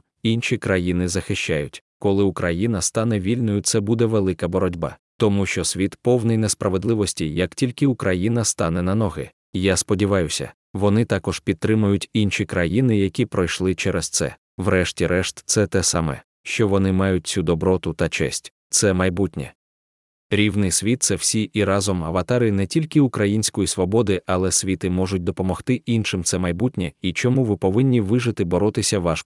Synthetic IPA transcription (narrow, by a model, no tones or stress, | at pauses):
inʃʲikɾɐjinɪzɐxɪt͡ʃajʊtʲkɔlˠɪʊkɾɐjinɐst̪ɑnɛʋʲilʲnɔjʊt̪sɛbud̪ɛʋelˠɪkɐbɔɾɔdʲbɑ̰ | t̪ɔmuʃt͡ʃɔsʲʋʲit̪pɔwnɪjnɛspɾɐʋed̪lˠɪʋɔsʲtʲijɐktʲilʲkɪʊkɾʔɐjinɐst̪ɑnɛnɐnɔɦɪ̰ | ijaspɔdʲiʋɑjʊsʲɐ̰ | ʋɔnɪt̪ɑkɔʒ̥pʲid̪̚t̪ːɾɪmʊjʊtʲinʃikɾɐjinɪjɐkʲipɾɔjʃlˠɪt͡ʃɛɾɛst̪sɛ̰ | ʋɾɛʃtʲiɾʔɛʃt̪t̪sɛt̪ɛsa̰mɛ̰ | ʃt͡ʃɔʋɔnɪmɑjʊt̚ʲt͡sʲud̪ɔbɾɔt̪ʊt̪ɐt͡ʃɛ̰sʲtʲ | t̪sɛmɐjbutʲnʲɛ̰ | ɾʲiʋnɪjsʲʋʲit̪̚sɛw̥sʲiʔiɾɑzɔmɐʋɐt̪ɑɾɪnɛtʲilʲkɪʊkɾɐjinʲsʲkɔjisʋɔbɔd̪ɪʔɐlˠɛsʲʋʲit̪ɪmɔʒʊt̚ʲd̪ɔpɔmɔxt̪ɪʔinʃɪmt̪sɛmɐjbutʲnʲɛit͡ʃɔmuʋɪpɔʋɪnʲːiʋɪʒɪt̪ɪbɔɾɔt̪ɪsʲɐʋɑʃ